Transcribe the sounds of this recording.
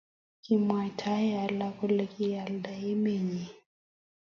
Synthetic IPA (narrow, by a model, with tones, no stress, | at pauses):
ki˨mwa˨tʰa˦ɛ˦a˨la˦kɔ˦le˨ki˦ja˨lda˨i˦me˨ɲi˨